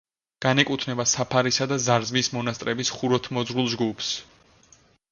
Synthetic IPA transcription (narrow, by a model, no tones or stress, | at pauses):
ɡ̥anɛkʼut̪ʰnɛbasapʰaɾisad̪azaɾzmismɔnast̪ʼɾɛbisχuɾɔt̪ʰmɔzʁulˠd͡ʒɡupʰs